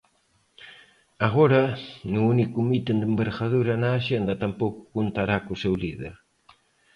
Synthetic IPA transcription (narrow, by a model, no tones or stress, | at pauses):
aɣoɾanuunikumit̪end̪embeɾxaðuɾɐnaːʃend̪ɐt̪ampowku̥kunt̪aɾakusewliðḛɾ